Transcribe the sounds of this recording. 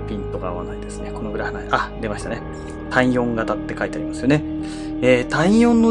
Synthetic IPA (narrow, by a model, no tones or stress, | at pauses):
pʲĩnt̪o̞ɡaːβanaid̪e̞sɨne̞ko̞no̞ɡɯɾahɯnaiʔad̪e̞maɕi̥t̪ane | t̪ʰãĩjõ̞ŋɡat̪at̪ːe̞kait̪eaɾʲimasɨjo̞ne | eːt̪ãĩjõ̞nːo